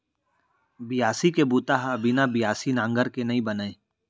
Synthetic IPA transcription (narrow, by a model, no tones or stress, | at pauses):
bɪjaːsikebuːt̪aɦabinabɪjaːsinãːŋɡəɾkenɐĩbɐnəeː